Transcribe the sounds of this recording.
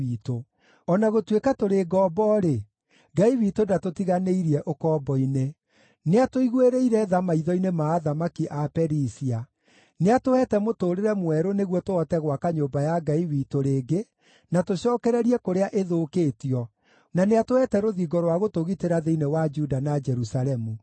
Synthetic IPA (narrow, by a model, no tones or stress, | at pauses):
iːto | ɔnaɣotwekatoɾeɡɔːbɔɾe | ɡaiwiːtodatotiɣaneiɾiɛʔokɔːbɔine | neatoiɣweɾeiɾɛðamaiðɔinemaːðamakiʔapɛɾisia | neatohɛtɛmotoːɾeɾɛmwɛɾoneɣwɔtoɔtɛɣwakaɲoːbajaɡaiwitoɾeːɡe | natoɕɔːkɛɾɛɾiɛkoɾeaʔeðoːkeːtiɔ | naneatoɛtɛɾoðiɡɔɾɔwaɣotoɣiteɾaðeinewad͡ʒudanad͡ʒɛɾusaɾɛmu